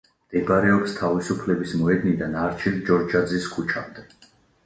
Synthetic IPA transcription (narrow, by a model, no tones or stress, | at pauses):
md̪̥ɛbaɾɛɔpst̪ʰavisupʰlɛbismɔɛd̪nid̪anaɾt͡ʃʰild͡ʒɔɾd͡ʒad̪ziskʰut͡ʃʰamd̪ɛ